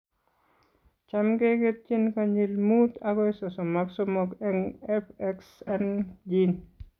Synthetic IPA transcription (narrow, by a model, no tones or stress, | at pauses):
t͡ʃamɡeɡet̪̚t͡ʃinkaɲilmut̪aɡɔɪsɔsɔmaksomɔkɛŋɛfɛksɛnd͡ʒin